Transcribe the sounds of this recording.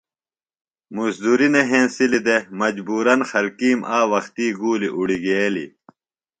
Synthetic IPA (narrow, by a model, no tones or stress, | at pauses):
musd̪uɾineɦẽːnsilid̪emɐd͡ʑbuːɾɐnxɐlkiːmʔaːwɐxt̪iːɡuːliʔuɽiɡelḭ